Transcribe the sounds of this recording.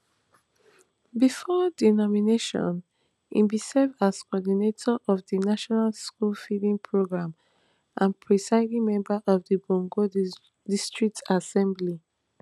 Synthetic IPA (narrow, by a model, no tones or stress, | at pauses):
bifɔdinɔmineʃɔ̰̃n | ḭ̃nbisɛvdaskɔɔdinetʰɔʔɔvdinaʃɔnalskulfilĩŋpʰɹoɡɹãm | ʔãnpʰɹisaɪlimɛ̃mbaʔɔvdəbɔ̃ŋɡo | distɹik̚tasɛ̃mbli